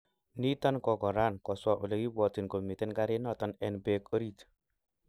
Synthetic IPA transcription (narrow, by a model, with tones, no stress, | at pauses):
ni˦tɔ˦nkɔ˨kɔ˨ɾa˦nkɔ˨swa˨ʔu˨le˨ki˦bɔ˨ti˨nko˨mi˨tɛ˦nka˦ɾe˦nɔ˦˨tɔ˦nɛ˦nbe˦ko˦ɾi˦t